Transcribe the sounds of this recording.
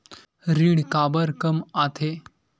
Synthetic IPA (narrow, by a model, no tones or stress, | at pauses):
ɾiɽkabəɾkəmat̪ʰe